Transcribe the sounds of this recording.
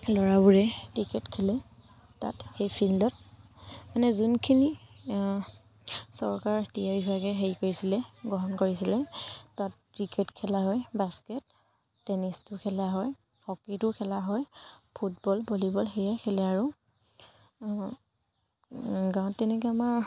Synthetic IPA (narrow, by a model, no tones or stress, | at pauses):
lɔɹabuɹɛtɹikɛtkʰɛlɛ | ta̰txejpʰildɔt̚ | manɛzunkʰini | sɔɹkaɹtijaɹibʰʱɹaɡɛɦeɹikoɹisilɛɡɔɦɔnkoɹisilɛtatkɹikɛtkʰɛlaɦɔjbaskɛt̚ː | ɛnistʊkʰɛlaɦɔj | hɔkitʊkʰɛlaɦɔjpʰut̚bɔlpolibɔlxejɛkʰɛlɛaɹu | ɡãʊ̃tːɛnɛk̬ɛamaɹ